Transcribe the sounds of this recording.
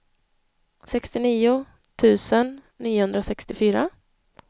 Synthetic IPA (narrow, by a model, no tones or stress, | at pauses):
sɛkst̪ɪniːʊ | t̪ʰʉ̟ːsənː | iːʊhɵnd̪ɾasɛkst̪ɪfyːɾa